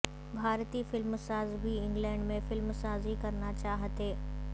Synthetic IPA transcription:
bʱaːɾt̪ifɪlmsaːzbʱiɪ̃ŋɡlɛ̃ːɳɖmẽfɪlmsaːzikɐɾnat͡ɕaːɦət̪eː

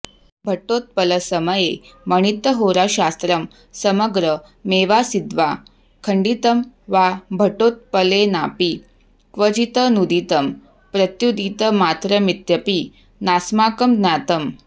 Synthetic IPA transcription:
bʱəʈːot̪̚pələsəməjeməɳ̃it̪ːəɦoɾaɕast̪ɾəm | səməɡɾə | meʋasid̪ʋa | kʰəɳɖit̪əmʋabʱəʈot̪̚pəlenapi | kʋəd͡ʑit̪ənud̪it̪əm | pɾət̪jud̪it̪əmat̪ɾəmit̪jəpi | nasmakəmd̪nat̪əm

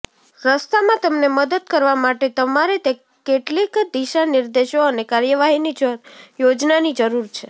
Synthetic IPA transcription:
ɾəst̪amãt̪əmneməd̪əd̪kəɾʋamaʈet̪əmaɾet̪e | keʈlikd̪iʃanɪɾd̪eʃoənekaɾjəʋaɦinid͡ʒəjod͡ʒnanid͡ʒəɾuɾt͡ʃʰe

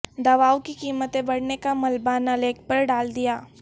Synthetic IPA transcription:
d̪ɐʋaːwkikiːmət̪ẽbɐɽ̤nekamɐlbaːnɐleːk̚pɐɾɖaːld̪ijaː

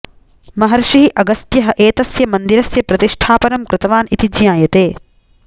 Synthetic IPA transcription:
mɐɦɐɾʃiiʔɐɡɐst̪jɐɦɐ̆ʔeːt̪ɐsjɐmɐnd̪iɾɐsjɐpɾɐt̪iʂʈʰaːpɐnɐmkɾɪt̪ɐʋaːnit̪id͡ʒjaːjɐt̪eː

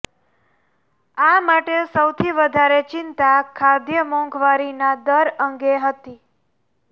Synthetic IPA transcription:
amaʈesəwt̪ʰiʋəd̪ʱaɾet͡ʃɪnt̪akʰaɾd̪jəmɔ̃ŋɡʋaɾinad̪əɾəŋɡeɦət̪i

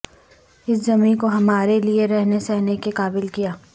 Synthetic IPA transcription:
ɪszɐmĩːnkoɦɐmaːɾelieɾɛɦnesɛɦnekekaːbɪlkijaː

